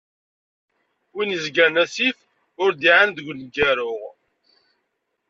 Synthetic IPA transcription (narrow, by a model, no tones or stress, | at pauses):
winəzɡəɾnæsiθ | ʊɾd̪iʕand̪əɡʷnɡæɾʊʁ